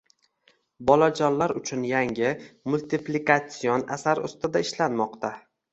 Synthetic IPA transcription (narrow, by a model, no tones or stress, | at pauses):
bɒlad͡ʒɒnlaɾʊt͡ʃʰʊnjaŋɪmʊlʲt̪ɪplikat̪sijona̰saɾʊ̰st̪ɪd̪aɪʃlanmɒqt̪ʰa